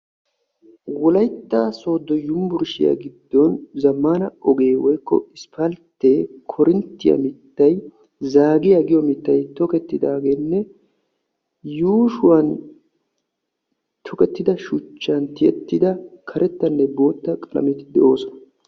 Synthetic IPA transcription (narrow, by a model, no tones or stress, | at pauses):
wɔlɐjt̪ːaso̞ːd̪ːɔjʊmbʊɾʃɪjɐ̰ɡɪd̪ːɔnzɐmːaːnɐɔɡe̞ːwɔjkːɔ̰ɪspʰɐlt̪ːekʰɔɾɪnt̪ːɪjɐ̰mɪt̪ːɐj | zaːɡɪjaɡɪjɔmɪt̪ːɐjt̪ɔkɛt̪ːɪd̪aːɡe̞ːnːɛ | juːʃʊwɐn | t̪ʰɔkɛt̪ːɪd̪ɐʃʊt͡ʃːɐnt̪ɪʔɛt̪ːɪd̪ɐkʰɐɾʔɛt̪ːɐnːɛbo̞ːt̪ːɐkʼɐlɐ̰mɛt̪ɪd̪ɛʔo̞ːsɔnɐ